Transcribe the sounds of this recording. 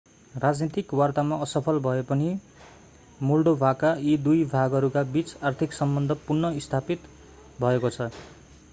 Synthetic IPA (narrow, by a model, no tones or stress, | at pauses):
rad͡znit̪ikwart̪amaʌsʌpʰʌlbʱʌepʌni | mulɖobʱakaid̪ujbʱaɡʌɾukabit͡sart̪ʰiksʌmbʌnd̪ʱʌpurnʌist̪ʰapit̪ | bʱʌekot͡sʰʌ